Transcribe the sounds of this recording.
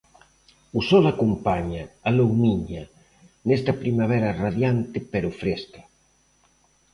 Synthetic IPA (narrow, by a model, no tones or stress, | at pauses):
usɔlakumpaɲaalowmiɲa | nest̪apɾimaβ̞ɛɾaraðjant̪epeɾufɾest̪ḁ